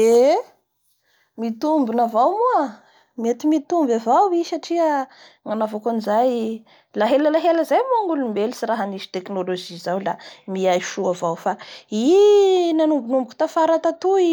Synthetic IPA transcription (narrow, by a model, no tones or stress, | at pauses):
e | mit̪umbinavawmua | met̪imit̪umbavawisaʈ͡ʂiə | ŋanavakanizaj | laɦeləlaɦeləzajmuaŋulumbelisiraɦaniʃi̥t̪eknoloʒizawlamiajʃuavawfainanumbunumbuku̥t̪afaɾat̪at̪ui